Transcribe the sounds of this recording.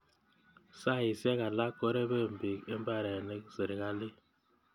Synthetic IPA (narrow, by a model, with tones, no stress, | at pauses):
sa˦˨ji˨sɛ˦ka˨la˦kɔ˦ɾɛ˦βe˦˨mbi˨kɛ˦mba˦˨ɾɛ˨nɛ˦ze˨ɾi˨ka˦li˦